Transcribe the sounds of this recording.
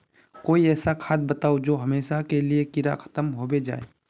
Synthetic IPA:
koːiɛːsakʰaːd̪̚bət̪aːod͡ʒoːɦɐmeːʃakeliekɪɾa̰kʰə̥t̪əmɦoːbed͡ʒa̰ːḛ

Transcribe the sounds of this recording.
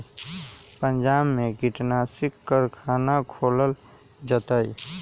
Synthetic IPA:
pəɲd͡ʒabmeɡiʈnasikːəɾkʰanakʰoləl | d͡ʒət̪əj

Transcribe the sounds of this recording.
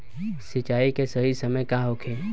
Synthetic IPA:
sɪt͡ʃaːikesəɦisəməjkãɦokʰe

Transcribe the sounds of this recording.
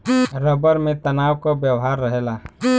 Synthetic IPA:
ɾəbəɾmẽt̪ənaːwkobjəwɦaɾːəɦela

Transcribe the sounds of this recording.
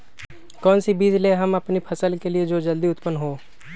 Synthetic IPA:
kɔːnsibiːd͡ʒleɦɐmɐpnipʰɐsəlkelied͡ʒoːd͡ʒɐld̪iʊt̪pənɦoː

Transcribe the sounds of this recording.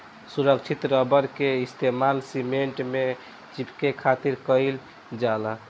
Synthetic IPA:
suɾək̚t͡ʃʰit̪ɾəbəɾkeist̪ʰemalsimeɳʈme | t͡ʃipkekʰat̪iɾkəɪl | d͡ʒalə

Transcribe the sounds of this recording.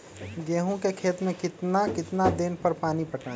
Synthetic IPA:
ɡeːɦõkekʰeːt̪mẽkɪt̪nakɪt̪nad̪eːnpəɾpaːnipəʈʰa

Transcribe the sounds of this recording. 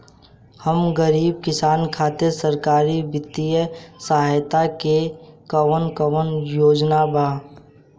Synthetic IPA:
həmɡəɾiːb̚kɪsaːnkʰaːt̪eɾsəɾkaːɾibɪt̪ijəsaɦajt̪akekəwənkəwənjoːd͡ʒnabʱaː

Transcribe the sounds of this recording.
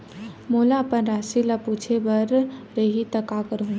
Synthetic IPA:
molaəpənɾasilaput͡ʃʰebəɾɾeɦit̪əkakəɾɦũ

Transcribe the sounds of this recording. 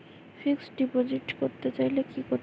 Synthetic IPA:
fiksɖipod͡ʑiʈkoɾt̪et͡ɕajlekiko

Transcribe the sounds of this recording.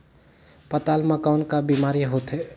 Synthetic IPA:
pət̪almakaʊnkabimaɾiɦot̪ɦe

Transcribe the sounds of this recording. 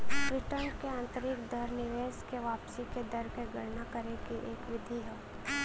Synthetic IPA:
bɾɪʈənkeãːnt̪əɾɪkd̪əɾnɪʋeːʃkeʋaːpsiked̪ɐɾkeɡəɽnakəɾekiʔeːkʋɪd̪ʱiɦɛː

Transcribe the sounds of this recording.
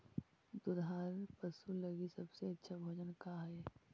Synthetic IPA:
d̪ʊd̪ʱaːɾpəsulɐɡisɐbseɐtːʃʰabʱoːd͡ʒənkaɦɛ

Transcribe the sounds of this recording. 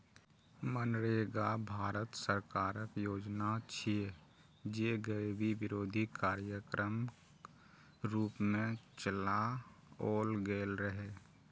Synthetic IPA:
mənɾeːɡabʱaːɾət̪səɾkaːɾəkjoːd͡ʒnat͡ʃʰie | d͡ʒeɡəebʱiʋɪɾoːd̪ʱikaːɾjəkɾʔəm | ɾuːpmẽt͡ʃəlaoːlɡeːlɾəɦe

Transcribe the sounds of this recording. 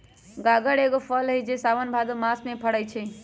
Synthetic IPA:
ɡaɡəɽeɡopʰəlɦəjd͡ʒesaʋənbʱad̪omasmepʰəɽəjt͡ʃʰɛ

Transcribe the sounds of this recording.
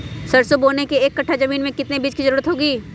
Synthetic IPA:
sɐɾsoboːnekeeːkːɐʈʰːazɐmiːnmẽkɪt̪nebiːd͡ʒkizɐɾuːɾət̪ɦoːɡiː

